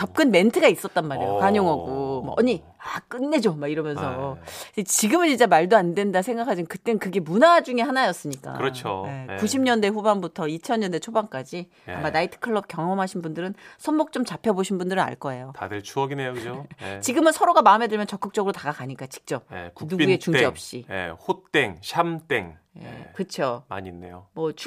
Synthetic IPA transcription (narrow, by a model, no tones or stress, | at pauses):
t͡ɕʌp̚k͈ɯnme̞ntʰɯɡais͈ʌt͈̚anmaɾejokaɲoŋʌɡomʌ̰ʔʌɲi | ak͈ɯnːe̞d͡ʑomaiɾʌmjʌnsʰʌit͡ɕiɡɯmɯnind͡ʑemaɭdoandwe̞ndasʰe̞ŋɡakʰad͡ʑinɯnkɯt͈enɯnkɯɡe̞munad͡ʑuŋe̞hanajʌs͈ɯɲik͈a̰ɯɾʌt͡ɕʰoe̞kkuɕʰimɲʌnde̞ɸubanbutʰʌit͡ɕʰʌnɲʌnde̞t͡ɕʰobaŋk͈ad͡ʑi | a̰mːanaitʰɯ̥kʰɯɭːʌp̚k͈jʌŋʌmɦaɕʰinbundɯɾɯnsʰʌnːok̚t͡ɕ͈omt͡ɕapʰjʌboɕʰinbundɯɾɯna̰ɭk͈ʌe̞jotadɯɭt͡ɕʰuʌɡinɦejokɯd͡ʑot͡ɕiɡɯmɯnsʰʌɾoɡamaɯmɦe̞dɯɭmjʌnt͡ɕʌk͈ɯk̚t͡ɕ͈ʌɡɯɾotaɡakaɲik͈at͡ɕi̥k̚t͡ɕ͈ʌp̚ḛunuɡet͡ɕuŋd͡ʑiʌp̚ɕ͈ijḛɸut͈e̞ŋɕʰamt͈e̞̰ŋ | jḛkɯt͡ɕʰoma̰ɲinːḛjomʌt͡ɕʰu